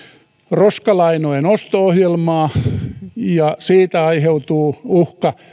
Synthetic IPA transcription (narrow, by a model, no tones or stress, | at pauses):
roskɑlɑinoenost̪oohjelmɑː | jɑsiːt̪æɑiheut̪uːuhkɑ